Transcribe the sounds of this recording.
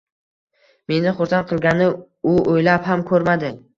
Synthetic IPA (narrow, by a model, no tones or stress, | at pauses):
me̞nɪχʊɾsanqʰɨlˠɡʲanɪ | ʊojlaphamkʰɵɾmad̪ɪ